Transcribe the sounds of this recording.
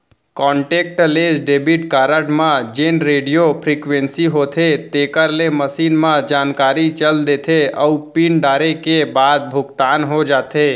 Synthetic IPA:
kɔ̃ːɳʈeːk̚ʈleːd͡ʒɖeːbiʈkaːɾəɖmãd͡ʒenɾeːɖijopʰɾikʋẽnsiɦot̪ʰet̪eːkəɾleməsiːnmãd͡ʒaːnkaːɾit͡ʃəld̪et̪ʰeəupinɖaːɾekebaːd̪̚bʱʊɡt̪aːnɦod͡ʒaːt̪e

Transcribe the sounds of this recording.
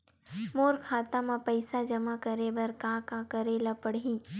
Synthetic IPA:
moːɾkʰaːt̪ãmãpɐɪsad͡ʒɐmakəɾebɐɾkãkãkəɾelapəɽiː

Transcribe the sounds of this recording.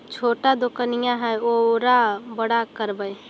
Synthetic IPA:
t͡ʃʰoːʈad̪okənijãɦɛoɾabəɽakəɾbəj

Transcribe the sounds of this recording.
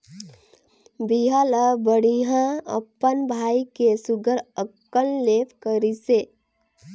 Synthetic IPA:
biɦaləbəɽiɦãə̰pːənbʱaikesuɡəɾəkːəllepʰkəɾise

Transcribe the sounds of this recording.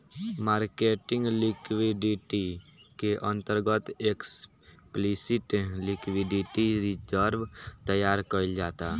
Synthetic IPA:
maːɾkeːʈɪ̃ŋɡlɪkwiɖiʈikeʔə̃nt̪əɾɡət̪eks | plisɪʈlɪkwiɖɪʈiɾid͡ʒəɾʋt̪əjaːɾkəild͡ʒaːt̪a

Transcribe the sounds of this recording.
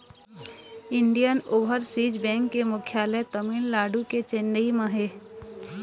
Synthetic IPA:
ɪɳɖijənoːʋəɾsiːd͡ʒbɛ̃ːŋkːemʊkʰjaːlət̪əmiːllaːɖuket͡ʃendəimɐ̃ɦeː

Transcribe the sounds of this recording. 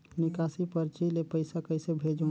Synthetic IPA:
nɪkaːsipəɾt͡ʃilepəɪsakəɪsebʱeːd͡ʒo

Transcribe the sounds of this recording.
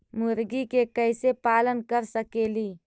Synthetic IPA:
mʊɾɡikekəɪsepaːlənkəɾsəkeːliː

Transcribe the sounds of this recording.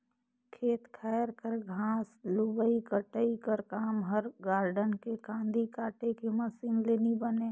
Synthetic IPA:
kʰeːt̪kʰɛːɾkəɾɡʱaːslubəikəʈəikəɾkaːmɦəɾɡaːɾɖənkekãːnd̪ikaːʈekemɐsɪ̃ŋɡleːnibəneː

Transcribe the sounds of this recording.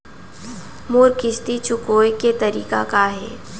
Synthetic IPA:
moːɾkɪʃt̪it͡ʃʊkoːjket̪ɐɾḭːkakaɦɛ̰ː

